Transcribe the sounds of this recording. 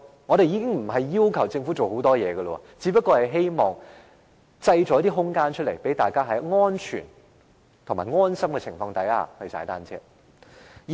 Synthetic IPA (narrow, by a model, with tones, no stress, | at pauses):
ŋɔ˨˧ɾe˨jiː˨˧kɪ˥ŋm̩˨˩ɦɐ˨jːiː˥wkʰɐ˨˩wt͡sɪ˧ŋfu˨˥t͡so˨who˨˥wt̪ɔː˥jɛː˨˧ɡə˧lɔ˧ɔ̰˧t͡si˨˧˥pɐ˥kːɔː˧hɐ˨˩jɦe˥jmɔː˨ŋ | t͡sɐ˧jt͡ʃɔː˨˥t̪iː˥ɦʊ˥ŋkaː˥nt͡ʃʰɵ˥t̚le˨˩jpe˨˥jt̪aː˨˩jkaː˥ɦɐ˨˥jŋɔː˥nt͡ʃʰy̰ː˨˩n | t̪ʰʊ˨˩ŋma̰ː˨˩jŋɔː˥nsɐ˥mkɛː˧t͡sʰɪ˨˩ŋfɔː˧ŋt̪ɐ˨˥ja̰ː˧hɐ˨˩sa̰ː˨˥jt̪aː˥nt͡sʰɛ̰ː˥